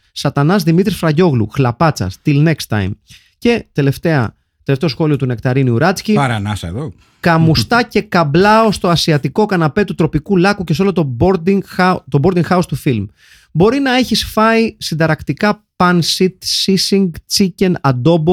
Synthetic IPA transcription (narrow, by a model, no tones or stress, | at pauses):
sɐt̪ɐnɐzðimit̪ɾisfɾɐʝo̞ɣlṵxlɐpɐt͡sɐ̰st̪ilne̞kst̪ɐ̰jm | ce̞t̪elefeɐ̰ | t̪e̞left̪e̞o̞sxo̞lio̞t̪une̞kt̪ɐɾiniuɾɐt͡sciɐɾɐnɐsɐḛðo | kɐmmust̪ɐce̞kɐblɐo̞st̪o̞ɐsiɐt̪iko̞kɐnɐpe̞t̪ut̪ɾo̞pikulɐkuce̞so̞lot̪oboɾd̪t̪obo̞ɾd̪iŋxɐost̪ufilm | bo̞ɾinɐe̞çisfɐisind̪ɐɾɐkt̪ikɐpɐnsit̪sisiŋɡt͡sice̞nɐd̪o̞bo